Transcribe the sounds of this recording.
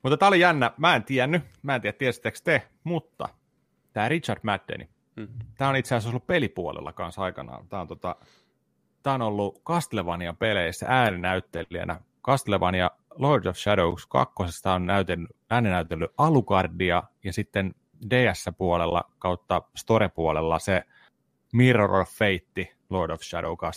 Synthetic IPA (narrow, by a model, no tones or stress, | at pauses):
mut̪ːɑt̪æːolijænːæmæːent̪iænːymæːnt̪iːæt̪t̪ːiest̪ːekst̪e | mut̪ːɑ̰ | t̪æːrit͡ʃɑrdmæd̪ːḛnʔḭ | t̪æːonit̪seæsolːuppelipuo̰lḛlːɑ̰kɑnsɑikɑnɑ̰ːt̪æːont̪ot̪ɑ̰ | t̪æːonolːukɑst̪leʋɑniɑpeleisːæ̰ʔæːninæyt̪ːeiæ̰nʔæ̰ | kɑst̪leʋɑnijɑ | lordofʃædoukskɑ̰kːosest̪æːonnæyt̪enːyæːnenæyt̪elːyʔɑlukɑrdiɑjɑsit̪ːen | deːæsːæpuolelːɑ̰kɑut̪ːɑst̪oɾepuolelːɑse | mirorofʋeit̪ːi | lordofʃædo̰ukɑs